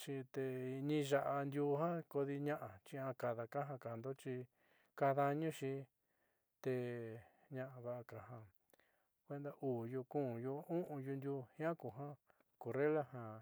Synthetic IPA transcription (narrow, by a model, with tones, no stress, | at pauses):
ʃi˧t̪e˧ɲĩ˦˧ʒa˧ʔa˧nd̪ju˧˦˧ɦã˦ko˧ði˧ɲã˦ʔa˨t͡ʃi˧ã˧ka˧ða˧ka˦ɦã˧ka˨nd̪o˦t͡ʃi˧ | ka˧ða˧ɲũ˦ʃi˧ | t̪e˧ | ɲã˧ʔa˧βa˧ʔa˧ka˨ɦã˧ | kʷe˦˧nd̪a˧ʔuː˨ju˧kũ˦˨ju˧ũ˦ʔũ˧ju˧nd̪ju˧hĩ˦ã˦ku˨ɦã˦ | ko˨re˦la˦hã˨